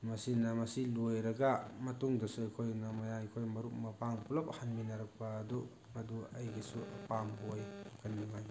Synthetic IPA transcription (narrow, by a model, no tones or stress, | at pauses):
mɐsinɐmɐsilojɾɐɡɐmɐtuŋdɐsuɐjkʰojnɐmɐjajkʰojmɐɾuk̚mɐpaŋpulɐphanminɐɾɐk̚pɐːdu | mɐduɐjɡisuɐ̰pambojkɐnːiŋaj